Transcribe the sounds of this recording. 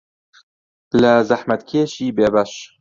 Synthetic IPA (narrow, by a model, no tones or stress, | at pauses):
lɐzɐħmɐt̪kʲʰeːʃiːbeːbɐʃ